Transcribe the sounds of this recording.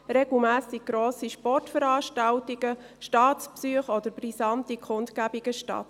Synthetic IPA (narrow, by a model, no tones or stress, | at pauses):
ɾɛɡ̥l̩mæːsiɡ̥̚ɡ̥ɾoːsiʃpɔrtfəɾɑːʃtɑltiɡ̥ə | ʃtɑːtt͡spsyəχɔd̪əɾbɾisɑntikʰʊntkæbiɡ̥əʃtɑ̰t